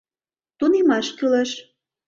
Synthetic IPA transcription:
t̪unemɑʃkylĕʃ

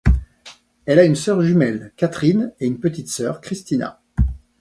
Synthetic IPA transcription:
ɛlaynsœʁʒymɛlkat̪χineynpət̪it̪sœːʁkχist̪ina̰

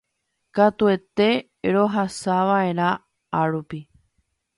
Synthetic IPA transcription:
kat̪ue̞t̪e̞ | ɾo̞ɦasaʋae̞ɾ̃ã | aɾupi

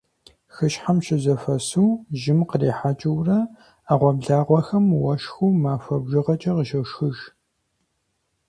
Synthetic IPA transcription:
xɨʃħamʃɪzɐfɐsuwʒɪmqəriːħat͡ʃʼɐwrɐ | aːʁʷɔbɮaːʁʷɔxɐmwɐʃxuːmaːfɐbʒɪʁɐt͡ʃʼɐʁəʃɐʃxɨʒ

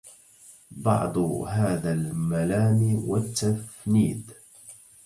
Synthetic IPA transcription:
bɑ̰ʕd̪ˤhaːðalmalaːmiːwat̪ːafniːd̪

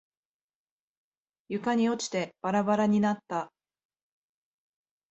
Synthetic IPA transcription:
jɯ̟kaɲ̟io̞t͡ɕi̥t̪e̞b̥aɾabaɾaɲ̟inat̪ːa

